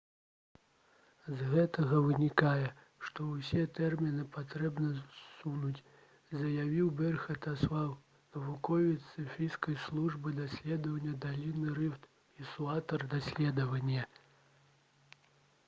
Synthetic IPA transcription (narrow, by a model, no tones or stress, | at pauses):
zɣɛt̪ɐɣɐvɨnʲikajɛ | ʂt̪ɔwsʲɛt̪ɛrmʲinɨpat̪ɾɛbnɐsunut͡sʲ | zɐjavʲiwbʲɛrxɐt̪aswaw | nɐvukɔvʲit̪sɨfʲijskɐjslˠuʐbɨd̪asʲlʲɛd̪ɐvɐnʲːɐd̪alʲinɨɾɨft̪ | isuat̪ɐrd̪asʲlʲɛd̪ɐvɐnʲːɐ